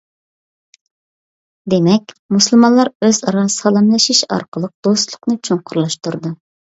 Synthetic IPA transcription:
d̪emɛkʲmusɨlˠmɑnlˠɑɾøzɑɾɑsɑlˠɨmlˠɨʃiʃɑ̰ɾqəlˠəq̚d̪̥ost̪lˠʊqnɨt͡ʃʰoŋqʰʊɾlˠɑʃt̪uɾd̪u

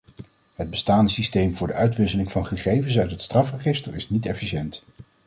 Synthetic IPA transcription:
ɦəd̚bəstaːndəsistejmvʊːɹdəʔœɥtʋɪsəlɪŋvɑnχəχejvəns̬œɥtɦətstrɑfrəχɪstəɹɪsnitɛfiʃɛnt

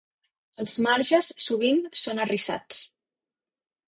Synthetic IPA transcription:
əlˠzmaɾʒəsːuβ̞insonərisa̰t͡s

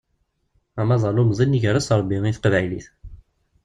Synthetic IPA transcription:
æmɑzˤɑlumzˤinːiʝəɾˤæsɾˤbːiiθqəvæjliθ

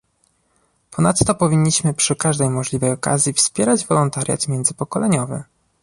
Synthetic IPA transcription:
pɔnat̪ːɔpɔvʲiɲːiɕmɘpʂɘkaʐd̪ɛjmɔʐlʲivɛjɔka̰zʲjifspʲjɛɾad͡ʑvɔlɔnt̪aɾʲja̰t̪mʲjɛnd̪zɘpɔkɔlɛɲɔvɘ̰

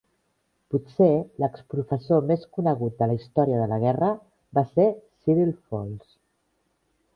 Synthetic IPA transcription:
putseləkspɾufəsomeskunəɣ̞ut̪̚d̪ələist̪ɔɾiəðələɣ̞ɛrə | basesiɾilfons

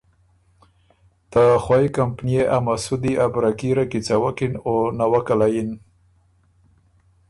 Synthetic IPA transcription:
t̪axwajikampnijeʔamasud̪iʔabɾakiɾakit͡sawakinonawakalajin

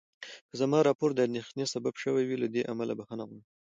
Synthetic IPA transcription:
kəzamɑɾɑpoɾd̪əand̪exnesababʃəwajwilad̪eʔamalabaxanaɣun

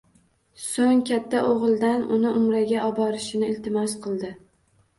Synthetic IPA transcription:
soŋkʲʰat̪ʰːaʔoʁɨlˠd̪anʊnɪʔʊmɾaɡʲaʔɒbɒɾɪʃɪnɪɪlt̪ʰɪmɒsqʰɨlˠd̪ɪ

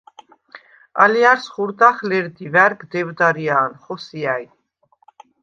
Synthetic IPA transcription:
a̰liaɾsχuɾd̪aχlɛɾd̪ivæɾɡd̪ɛvd̪aɾiaːnχɔsiaj

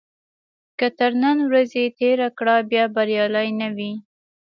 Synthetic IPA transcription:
kət̪əɾnənwɾazet̪eɾakɽabjɑbaɾjɑlajnawi

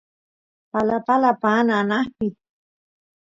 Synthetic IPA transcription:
palapalapanaːnahpi

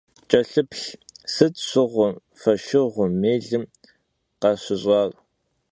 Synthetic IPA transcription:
t͡ʃʼɐɬɨpɬsɨtɕʷʊʁʷʊ | fɐʃɪʁʷʊmeːɮɨm | qɑɕʷʊɕʼɑːrʼ

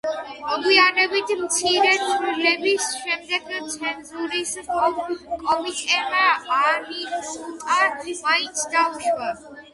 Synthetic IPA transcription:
ɔɡwianɛbit̪ʰmt̪sʰiɾɛt̪ʰʼɾilɛbisʃɛmd̪ɛɡt̪sʰɛnzuɾis | kʼɔmit̪ʼɛmaːɾisut̪ʼaɾmait̪sʰd̪auʃwa

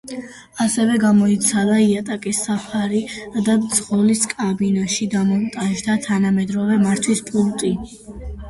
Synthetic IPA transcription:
asɛvɛɡamɔit̪sʰad̪aiat̪ʼakʼisapʰaɾid̪ad̪z̥ʁɔliskʼabinaʃid̪amɔmt̪ʼanʒd̪at̪ʰanamɛd̪ɾɔvɛmaɾt̪ʰwispʼult̪ʼi

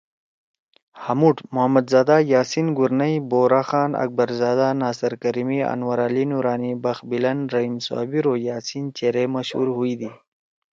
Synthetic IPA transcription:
hɐmuʈmʊɦɐmɐd̪zaːd̪ajaːsinɡuɾnɐiboːɾaːxɑːnɐ̰k̚bɐɾzaːd̪anaːsɐɾkɐɾimiɐ̰nwɐɾaːlinuɾaːnibɐxbilɐnɾɐɦimsa̰ːbiɾojaːsint͡ʃeɾemɐʃhṵɾɦuid̪i

